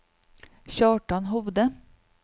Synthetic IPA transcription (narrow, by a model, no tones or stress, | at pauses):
çɑːʈɑnɦɔʋd̪ə